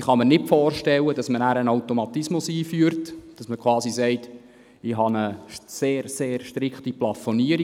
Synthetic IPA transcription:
χɑmənɪtfɔːrʃtɛlːəd̥ɑsmənæːɾənawtɔmɑt̪ismʊsiːfyːəɾtd̥ɑsməkʰwɑːsisɛɪt | ɪɦɑnəseːɾseːɾʃtɾɪkχtiplɑfoniəɾi

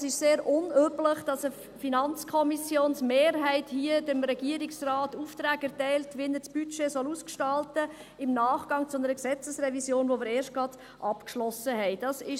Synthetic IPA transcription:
sɪʃseːɾʔʊnøpləχd̥ɑsə | finɑnt͡skʰɔmisjoːnsmeːɾɦɛɪthiədɪmɾɛɡ̥iəɾɪksrɑːtuftɾæːɡæɾtɛɪltʋinət͡sb̥yt͡ʃesɔluskʃtɑltə | ɪmnɑːχɡ̥ɑŋt͡sʊnəɾəksɛt͡səsɾɛvisjoːnvomɪːəɾeːɾʃt̚ɡ̥ʁɑd̥ | ʔɑpkʃlɔsəɦɛɪd̥ɑsɪʃ

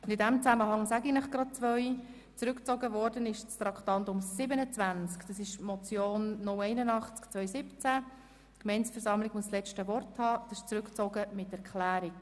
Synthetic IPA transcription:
ʊndɪdæmt͡sæməɦɑŋsæɡinəχɡ̥ɾɑd̥̚t͡sʋœʏ | t͡sɾʉkt͡sɔɡəvɔɾdənɪʃt͡st̪ɾɑktɑntʊmsɪbənət͡svænt͡skd̥ɑsɪʃmɔt͡sjoːnːʊlɛɪnənɑχt͡skt͡svœʏsɪpt͡sæ | kmɛɪnsfɛɾsɑmlɪɡ̥muəslɛt͡ʃtəvɔrthɑːd̥ɑsɪ̥ʃt͡sɾʉkt͡sɔɡəmɪtɛɾkχlæːɾɪk

